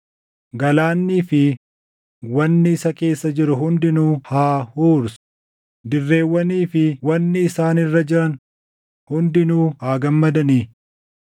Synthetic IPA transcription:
ɡɐlaːnːiːfɪ | wɐnːɪɪsɐke̞ːsːɐd͡ʒɪɾʊɦʊnd̪ɪnuːhaːhuːɾs | d̪ɪrːe̞ːwːɐniːfɪwɐnːɪːsaːnɪrːɐd͡ʒɪɾɐn | hʊnd̪ɪnuːhaːɡɐmːɐd̪ɐniː

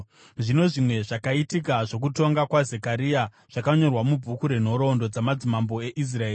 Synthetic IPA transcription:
ʐino̞ʐimwe̞ʐakaitikaʐo̞k̬uto̞ŋɡakwazekaɾija | ʐ̥akaɲo̞rwamub͡vʱukuɾe̞n̤o̞ɾo̞ndo̞d͡zamad͡zimambo̞e̞ʔis̬raeːi

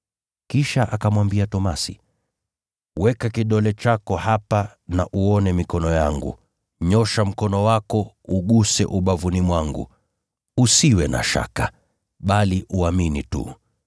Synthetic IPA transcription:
kiʃaʔakamwambiatɔmasḭ | wɛkakiɗɔlɛt͡ʃakɔhapanaʔuɔnɛmikɔnɔjaŋɡṵ | ɲɔʃam̩kɔnɔwakɔ | uɠusɛ̰ʔuɓavunimwaŋɡṵ | usiwɛna̰ʃa̰ka | ɓaliʔuaminitṵ

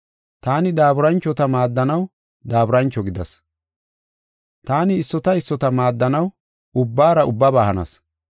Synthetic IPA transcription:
t̪aːnɪd̪aːbɾɐnt͡ʃːɔt̪ɐmaːd̪ːɐnɐw | d̪aːbɾɐnt͡ʃːɔɡɪd̪ɐs | t̪aːnɪːsːɔt̪ɐɪsːɔt̪ɐmaːd̪ːɐnɐw | ʊbːaːɾɐʊbːabaːhɐnɐ̰s

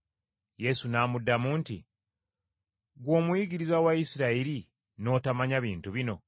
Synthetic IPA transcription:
je̞sunaːmudːamuːntḭ | ɡwo̞ːmuiɡiɾizawaisiɾaiɾi | no̞ːtamaɲaβiːntuβino̞̰

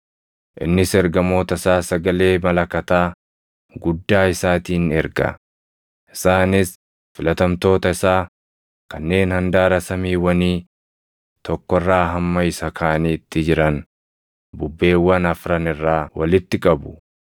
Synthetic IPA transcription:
ʔɪ̰nːɪsɛɾɡɐmo̞ːt̪ɐɪsaːsɐɡɐle̞ːmɐlɐkːɐt̪aː | ɡʊd̪ːaːɪsaːt̪iːnɛɾɡɐ̰ | ʔɪ̥saːnɪs | fɪlɐt̪ɐmt̪o̞ːt̪ɐɪsaː | kɐnːe̞ːnhɐnd̪aːɾɐsɐmiːwɐniː | t̪ɔkːɔrːaːɦɐmːɐɪsɐkʰaːniːt̪ːɪd͡ʒɪɾɐn | bʊbːe̞ːwːɐnɐfɾɐnɪrːaːwɐlɪt̪ːɪkʼɐbʊ̥

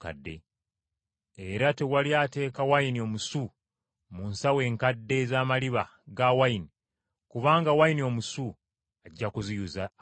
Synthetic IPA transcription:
ka̰dːe̞̰ | eɾate̞waljaːte̞ːkawainio̞musu | munsawe̞ːŋkadːe̞zaːmaliβa | ɡawaini | kuβaːŋɡawajinio̞ːmusu | aɟːakuzijuza

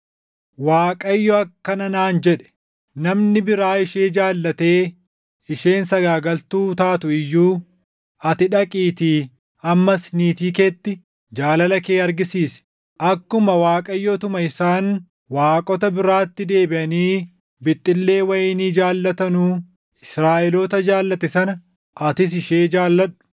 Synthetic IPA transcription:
waːkʼɐjːɔɐkːɐnɐnaːnd͡ʒɛᶑɛ̥ | nɐmnɪbɪɾaːɪʃeːd͡ʒaːlːɐt̪e̞ː | ɪʃe̞ːnsɐɡaːɡɐlt̪uːt̪aːt̪ʊɪjːuː | ɐt̪ɪᶑɐkʼiːt̪i | ɐmːɐsniːt̪iːkɛt̪ːɪ | d͡ʒaːlɐlɐkeːɐɾɡɪsiːsɛ̥ | ʔɐkːʊmɐwaːkʼɐjːot̪ʊmɐɪsaːn | waːkʼɔt̪ɐbɪɾaːt̪ːɪd̪e̞ːbɪʔɐniː | bɪt̪ʼːɪlːe̞ːwɐjɪniːd͡ʒaːlːɐt̪ɐnuː | ɪsɾaːʔɛlɔt̪ɐd͡ʒaːlːɐt̪ɛsɐnɐ | ʔɐt̪ɪs̬ɪʃeːd͡ʒaːlːɐᶑʊ̥

